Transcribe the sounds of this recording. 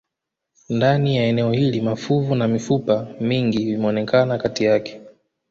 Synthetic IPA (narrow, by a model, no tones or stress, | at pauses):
ndanijaɛnɛɔhilimafuvunamifupamiŋɡivimɛɔnɛkanakatijakɛ̥